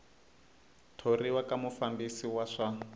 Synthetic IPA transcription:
tʰoriwakamufambisiwaʂa

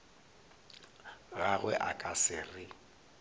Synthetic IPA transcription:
ɣaɣwɛ̰ʔakʼasɪrɪ

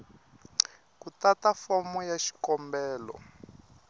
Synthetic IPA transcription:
kutatafɔmɔjaʃi̥kɔmbɛːlɔ̰

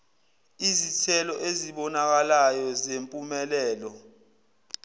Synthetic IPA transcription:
izitʰɛlɔʔeziɓɔnak̬alajɔzempʼumɛlɛːlɔ

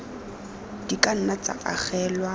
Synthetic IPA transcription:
d̥ikʼan̩nat͡sʼa̰ʔaχɛːlwa

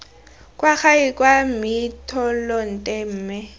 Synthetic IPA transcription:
kʼwak͡xaikʼwamitʰɔlɔn̩tʼɛm̩ːmɪ

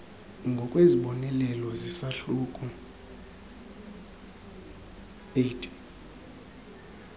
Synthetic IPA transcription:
ŋɡʱɔkʼweziɓɔnɛlɛlɔzisaɬukʼu | etʰʼi̥

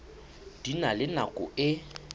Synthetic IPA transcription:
d̥inalɪnakʼʊ̰ɪ

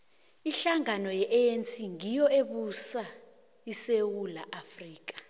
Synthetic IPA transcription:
iɬaŋanɔjɛʔɛensiŋijɔeɓusa | isewulaʔafriːk̬ʼḁ

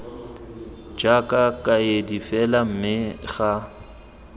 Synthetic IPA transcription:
d͡ʒakʼakʼajedifɛlam̩mɪɣa

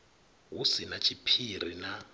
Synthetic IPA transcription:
ɦusinat͡ʃʰipʰir̤ḭna

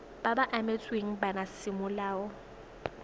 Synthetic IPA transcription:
b̥abaʔamet͡sʼweŋ̩banasɪmʊlaːɔ

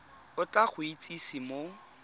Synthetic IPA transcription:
ʊt͡ɬaχʊit͡sʼisimo

